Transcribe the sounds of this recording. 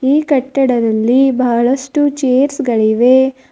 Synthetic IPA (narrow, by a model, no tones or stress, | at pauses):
iːkɐʈːɐɽɐd̪ɐlːibɐɦɐɭɐʂʈut͡ʃeːɾsɡɐɭiʋe